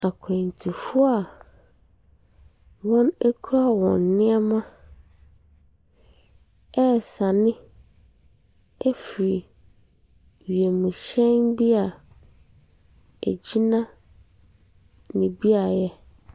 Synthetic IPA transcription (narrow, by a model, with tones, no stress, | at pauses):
a˨kʰɛ̃˨n˨tʰi˨fʊ˦a˨ | wɔ̃˦næ˦kʰu˦ɾa˦wɔ̰̃˨nːɪ̃˦ɛ˦mã˦ | ɛ˦˨sa˨nɪ̃˦ | æ˦fi˨ɾi˨ | ɥi˨e˨mũ˨ɕɛ̃˦nbi˦a˨ | æ̰˨d͡ʑi˦nã˦ | nɪ̃˨bi˦a˨jɛ˦